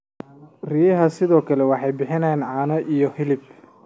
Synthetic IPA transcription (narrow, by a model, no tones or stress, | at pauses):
riːjɐɦɐsɪðɔːkʰɐlɛwɑħɑjbɪħɪnɐjaːnʕɑːnɐʔijɔhɪlɪb̚